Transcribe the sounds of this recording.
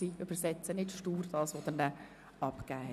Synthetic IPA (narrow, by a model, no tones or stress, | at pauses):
iʏb̥əɾsɛt͡sənɪtʃtuːrdɑːsʋod̪ənnɛ | ɑpkæːɛ